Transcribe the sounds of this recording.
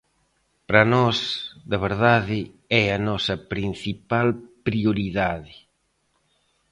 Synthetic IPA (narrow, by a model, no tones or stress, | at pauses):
pɾɐnɔsd̪ɐβ̞eɾðaðɪ | ɛɐnɔsɐpɾin̟θipalpɾioɾiðaðɪ